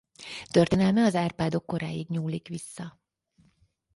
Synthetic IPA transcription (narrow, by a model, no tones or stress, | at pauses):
t̪ørt̪eːnɛlmɛɒzaːrpaːd̪o̞kːo̞ɾaːjiɡɲuːlikʋisːɒ